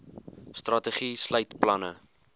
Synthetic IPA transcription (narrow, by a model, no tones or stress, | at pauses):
strɐtəχisləjtplɐnə